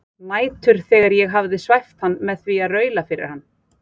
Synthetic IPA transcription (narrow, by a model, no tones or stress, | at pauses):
naːjt̪ʏɾ̥θɛːɣaɾjɛɣɦavðɪsvajft̪hanːmɛðθviaðrœːɥlafɪɾɪ̰ɾ̥hanː